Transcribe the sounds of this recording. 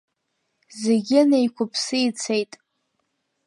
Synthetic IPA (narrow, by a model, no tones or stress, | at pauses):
zeɡʲɪnejkʷʰʊpʰsɨit͡sʰejtʼ